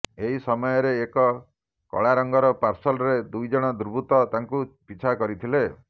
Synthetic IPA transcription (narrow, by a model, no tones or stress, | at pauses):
eɦisɔmɔjɔɾeːkɔ | kɔ̰ɭaɾɔŋɡɔɾɔpaɾsɔlɾed̪ujd͡ʒɔɽ̃ɔd̪uɾbʱut̪ɔt̪aŋkupit͡ʃʰakɔɾit̪ʰile